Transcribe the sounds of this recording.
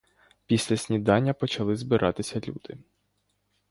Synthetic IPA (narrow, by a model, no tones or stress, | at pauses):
pʲisʲlʲɐsʲnʲid̪ɑnʲːɐpɔt͡ʃɐlˠɪzbɪɾʔɑt̪ɪsʲɐlʲṵd̪̥ɪ